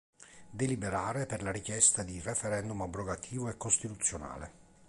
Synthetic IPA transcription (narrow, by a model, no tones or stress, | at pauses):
d̪elibeɾaːɾeperlaɾikjɛst̪ad̪irefɛɾɛnd̪umabɾoɡat̪ʰiːvoɛkːost̪it̪ut̪sːjona̰ːlḛ